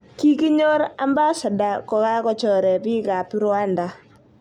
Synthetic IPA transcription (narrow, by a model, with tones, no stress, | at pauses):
ki˦ki˦ɲo˦ɾa˦mba˦sa˨da˨kɔ˨ka˦kɔ˨t͡ʃɔ˨ɾɛ˨pi˦ka˨pi˦ɾwa˦nda˨